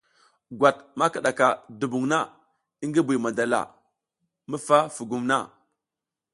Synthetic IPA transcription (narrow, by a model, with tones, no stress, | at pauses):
ɡʷa˨t̚ma˦ka˨ɗa˨ka˨du˨bu˨ŋna˦˨ | i˦ŋɡi˦bi˨ma˨da˨la̰˨ | mə˦fa˦fu˨ɡu˨mna˦˨